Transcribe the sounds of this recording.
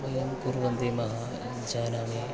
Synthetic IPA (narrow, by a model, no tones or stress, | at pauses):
ʋɐjɐmkuɾʋɐnd̪imɐɦɐ | d͡ʒaːnaːmi